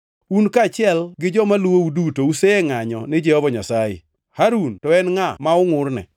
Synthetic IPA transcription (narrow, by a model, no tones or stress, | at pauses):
unkat͡ʃɪɛlɡɪd͡ʒɔmalwoudutouseeŋaɲɔ̰nɪd͡ʒɛhɔvɔɲasajɪ̰ | haɾuntɔɛnŋamaʊŋʊrnɛ̰